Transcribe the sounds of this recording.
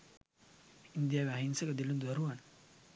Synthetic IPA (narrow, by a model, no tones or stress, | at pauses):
ind̪iaβaɦinsəkəd̪ilund̪uaɾuan